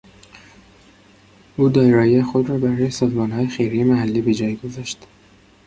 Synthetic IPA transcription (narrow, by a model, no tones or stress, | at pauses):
ʔuːd̪ɒːjeɾɒːjiexod̪rɒːbæɾɒːjesɒːzmɒːnɦɒːjexejɾiːmæhælːiːbed͡ʒɒːjɡo̞zɒʃt̪